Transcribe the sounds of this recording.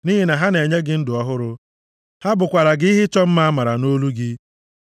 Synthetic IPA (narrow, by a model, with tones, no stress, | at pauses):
ni˦ɦi˨na˨ɦa˦ne˨ɲe˦ɡɪ˦n̩˦dʊ˨ɔ˦ɦʊ˦ɾʊ˦ | ha˦bʊ˨kʷa˨ɾa˨ɡɪ˦i˦ɦɪ˦t͡ʃɔ˦m̩˦ma˦a˦ma˨ɾa˨no˦lu˦ɡɪ˦